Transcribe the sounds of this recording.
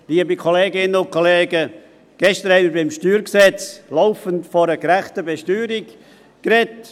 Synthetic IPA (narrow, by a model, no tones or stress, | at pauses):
liːəbikʰoleːɡɪnənʊn̚kʰoleːɡə | ɡ̥ɛʃtəɾhɛɪnmiɪɾbɪmʃtyːɾksɛt͡sloʊfəntfɔɾəɡɾæχtəbɛʃtyːɾik | kɾɛt